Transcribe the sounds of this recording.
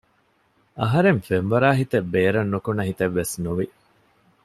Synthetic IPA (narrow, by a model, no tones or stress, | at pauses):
ɐɦɐɾemfemʋɐɾaːɦit̪ebːeːɾɐnːukunɐɦit̪ɐʋːesnuʋi